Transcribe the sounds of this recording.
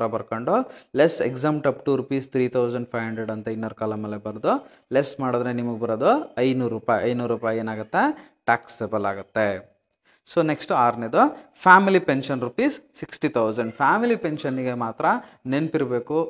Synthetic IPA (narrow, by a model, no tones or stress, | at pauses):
ɾɐbɐɾkoɳɖulesekzaːmʈɐpʈuːɾupiːst̪ʰɾiːt̪ʰɐwzɐɳɖpʰɐjɦɐɳɖɾeɖɐnt̪ɐinːɐːɾukaːlɐmeːlebɐɾd̪u | lesmaːɽod̪ɾenimɐɡebɐɾod̪uɐjnuːɾuːpaːjɐjnuːɾuːpaːjeːnaːɡut̪ːeʈaːksebɐlaːɡut̪ːe | soːneksʈuaːɾned̪upʰaːmilipenʃɐnɾupiːssiksʈit̪ʰɐwzɐɳɖpʰaːmilipenʃɐniɡemaːt̪ɾɐnenpiɾɐbe̞ːku